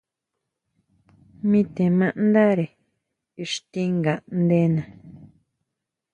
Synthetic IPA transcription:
mĩ˧t̪e˨mã˧ʔnd̪a˦ɾe˨ | i˧ʂt̪ĩ˦ŋɡa˨nd̪e˦nã˨

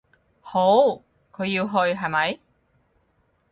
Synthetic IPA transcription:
ho˨˥w | kʰɵ˨˧ɥji˧wɦɵ˧ɥɦɐ˨jmɐ˨˥j

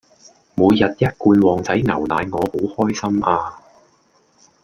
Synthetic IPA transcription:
muː˨˧jːɐ˨t̚jɐ˥t̚kuː˧nwɔː˨˩ŋt͡sɐ˨˥jŋɐ˨˩wnaː˨˧jŋɔː˨˧ho˨˥whɔː˥jsɐ˥mʔaː˧

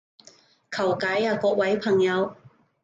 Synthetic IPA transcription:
kʰɐ˨˩wkɐ˨˥jaː˧kɔː˧k̚wɐ˨˥jpʰɐ˨˩ŋjɐ˨˧w

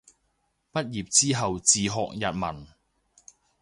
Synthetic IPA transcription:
pɐ˥t̚jiː˨p̚t͡siː˥ɦɐ˨wt͡siː˨ɦɔ̰ː˨˧k̚jɐ̰˨t̚mɐ̰˨˩n

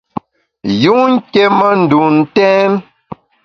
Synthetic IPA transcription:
ju˦ŋ̩˦ke˦mə˦n̩˨du˨n̩˦tɛ˦n

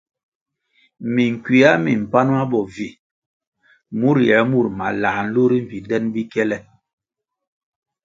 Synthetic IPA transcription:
mi˨ŋ̩˨kwi˨a˦mi˨m̩˨pa˦n˦a˦bɔ˨vi˨ | mu˦ɾjɛ˨˦mu˦˨ɾma̰˨la˨n̩˦lu˦ɾi˦ɱ̩˨vi˨dɛ˦nbi˦kɛ˦lɛ˦

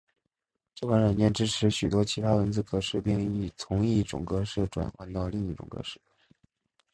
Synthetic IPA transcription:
t͡ɕɤ˥˩ʊkwa˧˥nɻa˨˩nt͡ɕjɛ˥˩nʈ͡ʂɻ̩˥ʈ͡ʂʰɻ̩˧˥ɕy˨˩t̪wɔ˥t͡ɕʰi˧˥t̪ʰa˥wə˧˥nt͡sɹ̩˥˩kɤ˧˥ʂɻ̩˥˧pi˥˧ŋi˥˩t͡sʰʊ˧˥ŋi˥˩ʈ͡ʂʊ̰˨˩ŋkɤ˧˥ʂ̩˥˩ʈ͡ʂwa̰˨˩nxwa˥nt̪ɑ˥˧ʊli˥˧ŋi˥˩ʈ͡ʂʊ̰˨˩ŋkɤ̰˧˥ʂɻ̩˥˩

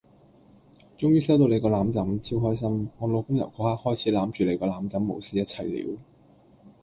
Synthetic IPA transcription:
t͡ʃʊ˥ŋjyː˥sɐ˥wt̪o˧wle˨˧kɔː˧laː˨˧mt͡sɐ˨˥mt͡sʰiː˥wɦɔː˥js̬ɐ˥mŋɔː˨˧lo˨˧wkʊ˥ŋjɐ̰˨˩wkɔː˨˥haː˥k̚hɔː˥jt͡sʰiː˨˥laː˨˥mt͡ʃyː˨˩le˨˧jkɔː˧laː˨˧˥mt͡sɐ˨˥mːo̰˨˩wsiː˨˥jɐ˥t̚t͡sʰɐ˨˩jlḭː˨˥w

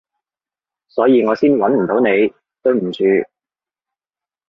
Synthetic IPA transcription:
sɔː˨˥jiː˧ŋɔː˨˧siː˥nwɐ˨˥nm̩˨˩t̪o˨˥wne˨˧j | t̪ɵ˧ɥm̩˨˩t͡ʃʰyː˨˧

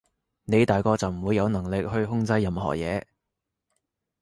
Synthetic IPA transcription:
ne˨˧jt̪aː˨jkɔː˧t͡sɐ˨wm̩˨˩wuː˨˧jɐ˨˧wnɐ˨˩ŋlɪ˨k̚hɵ˧ɥɦʊ˥ŋt͡sɐ˥jːɐ˨mɦɔ̰ː˨˩k̚jɛː˨˧

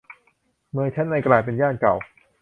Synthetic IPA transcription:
mɯː˧jt͡ɕʰɛ˦˥nːa˧jklaː˨˩jp̬e˧njaː˥˩nka˨˩w

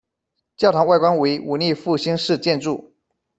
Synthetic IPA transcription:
t͡ɕjɑ˥˩ʊt̪ʰɑ˧˥ŋwa˥˩ɪkwa˥nwe˧˥ɪu˨˩ni˥˧fu˥˩ɕi˥ŋʂɻ̩˥˧t͡ɕjɛ˥˧nʈ͡ʂu˥˩

